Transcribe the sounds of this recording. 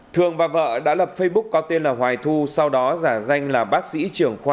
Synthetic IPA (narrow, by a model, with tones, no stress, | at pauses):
t̪ʰɨ˨˩əŋvaː˨˩və̰ː˧˨ɗa̰ː˧˥lə˨˩p̚fə˧jɓʊ˦˥k̚kɔ˨˦t̪e˧nlaː˨˩ɦwaː˨˩jt̪ʰu˧sa˧wɗɔ˨˦zaː˧˩za˧jŋ̟laː˨˩ɓaː˦˥k̚sḭ˧˥t͡ɕɨ˨˩əŋxwaː˧